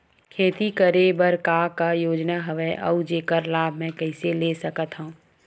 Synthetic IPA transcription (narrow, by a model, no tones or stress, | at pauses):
kʰeːt̪ikəɾebəɾkakajoːd͡ʒnaɦɐʋeʔɐ̰ud͡ʒeːkəɾlaːbʱmɛ̃ːkɐɪseleːsəkət̪ɦũ